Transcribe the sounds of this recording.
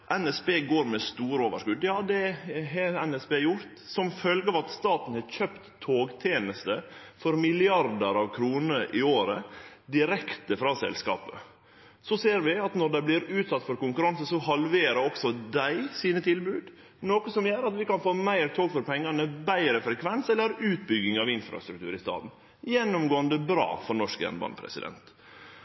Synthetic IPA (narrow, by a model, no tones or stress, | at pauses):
ʔɛnɛsbeːɡoːɾmɛst̪uːɾəoːʋə̰ʂkʉd̪ːjɑːd̪ɛɦeɛnɛspeːjʊɾt̪sɔmfœlɡəɑʋɑt̪st̪ɑːt̪n̩hɑɾçøpt̪ʰːoːɡt̪ʰjeːnəst̪əfɔɾmɪlɪɑɾd̪əɾɑʋkʰɾuːnəɾʔɪoːɾə̰d̪ɪɾɛkt̪əfɾɑːsɛ̰lskɑ̰ːpə | sɔseːɾʋɪɑt̪nɔɖ̪æɪblɪɾʉːt̪sɑt̪ːfɔɾkʊŋkʉɾɑnsəsɔhɑlʋeːɾəɔksɔd̪æɪsiːnət̪ʰɪlbʉːd̪ | noːkəsɔmjøːɾɑt̪ʋɪkɑnfoːmæɪɾt̪ʰoːɡfɔɾpʰɛŋːɑnəbæɪɾəfɾɛkʰʋɛnsɛlːəɾʉːt̪̚bʏɡɪŋɑʋɪnfɾɑ̰st̪ɾʉkt̪ʉ̰ːɾɪst̪ɑ̰ːd̪n̩ | jɛnːʊmɡoːənd̪əbɾɑ̰ːfɔɾnɔʂkjɛ̰nbɑ̰npʰɾɛ̰sɪd̪ɛ̰nt̪